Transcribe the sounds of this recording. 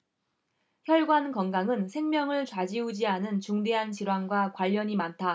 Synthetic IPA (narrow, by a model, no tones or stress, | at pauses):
çjʌɭɡwankʌnɡaŋɯnsʰe̞ŋmjʌŋɯɭt͡ɕwad͡ʑiud͡ʑiɦanɯnt͡ɕuŋde̞ɦant͡ɕiɾwanɡwakwaʎːʌɲimantʰa